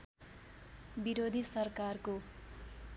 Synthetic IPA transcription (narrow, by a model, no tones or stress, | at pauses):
biɾod̪ʱisʌrkarko